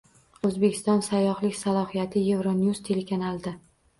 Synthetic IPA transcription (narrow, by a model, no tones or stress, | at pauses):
ɵzbe̞kʲʰɪ̥st̪ɒnsajːɒhlɪkʲsalˠɒhijat̪ʰɪje̞vɾonjust̪ʰe̞le̞kʰanalˠd̪ɪ